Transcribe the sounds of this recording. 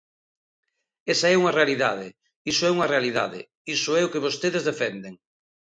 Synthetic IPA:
esaɛuŋɐrealiðaðɪ | isʊɛuŋɐrealiða̰ðɪ̰ | isʊɛʊkeβost̪eðezðefɛnd̪eŋ

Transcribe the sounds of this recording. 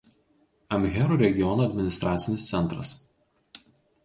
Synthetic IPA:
ɐmʲɣʲɛɾuːɾʲɛɡʲɪjɔnuːɐd̪ʲmʲɪnʲɪst̪ɾɑːt̪sʲɪnʲɪst̪sʲɛnˑt̪ɾɐs

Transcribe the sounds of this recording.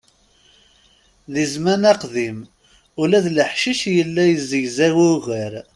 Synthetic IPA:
ðizmænæqðim | ʊlæðləħʃiʃjəlːæjəzːəʝzæwuɣəɾ

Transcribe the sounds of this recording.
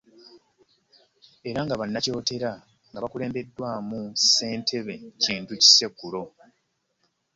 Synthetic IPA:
e̞ɾaŋɡaβanːaco̞ːte̞ɾa | ŋɡaβakule̞ːmbe̞dːwaːmuse̞ːntʰe̞βe̞ciːntuci̥se̞kːulo̞

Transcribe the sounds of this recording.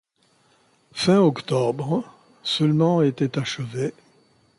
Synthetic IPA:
fɛ̃ɔkt̪ɔbʁ | səlmɑ̃et̪ɛt̪aʃəve

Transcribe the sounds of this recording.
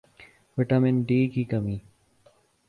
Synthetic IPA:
ʋɪʈɐmɪnɖiːkiːkɐmiː

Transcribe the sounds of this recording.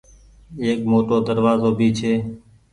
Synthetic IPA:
eːkmoːʈoːd̪əɾʋaːzoːbʱiːt͡ʃʰeː

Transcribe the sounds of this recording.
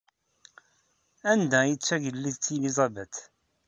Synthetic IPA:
ænd̪æjət͡sːæʝəlːiðt͡sːilizˤɑbæt̪

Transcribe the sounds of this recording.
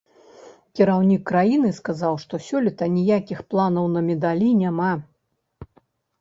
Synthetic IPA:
kʲiɾawnʲikːɾajinɨskazawʂt̪ɔsʲɔlʲit̪ɐnʲijakʲixplˠanɐwnɐmʲɛd̪alʲinʲama

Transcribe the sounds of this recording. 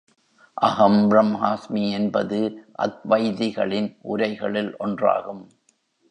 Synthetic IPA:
ʔɐɣɐmbɾɐmɦaːsmiɛnbɐðɯʔɐ̰t̪̚ʋɐjðɪɣɐɭɪnʔʊɾɐɪɣɐɭɪlʔɔndra̰ːɣɯm

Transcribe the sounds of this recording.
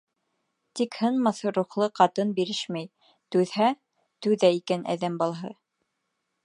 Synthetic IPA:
t̪ikhɤnmɑθɤɾuχlˠɤqɑt̪ɤnbiɾɘʃmæj | t̪ʉðhæ | t̪ʉðæikænʔæ̰ðæmbɑlˠɦɤ

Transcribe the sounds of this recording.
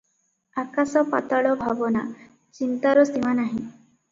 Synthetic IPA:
akasɔpa̰t̪aɭɔbʱabɔna̰ | t͡ʃint̪aɾɔst̪imanaɦĩ

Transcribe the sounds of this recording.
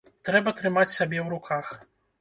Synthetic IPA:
t̪ɾɛbɐt̪ɾɨmat͡sʲsʲabʲɛwɾukʰax

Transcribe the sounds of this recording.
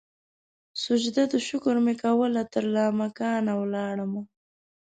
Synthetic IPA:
sʊd͡ʒd̪ad̪əʃʊkʊɾmekawəlat̪əɾlɑmakɑnawlɑɽəma

